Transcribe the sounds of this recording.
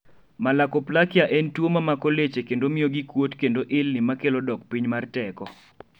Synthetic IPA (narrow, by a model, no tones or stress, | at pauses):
malakoplakɪjaʔentwomamakolet͡ʃekendomɪoɡikwotkendoʔɪlnɪmakelodɔk̚piɲmartɛkɔ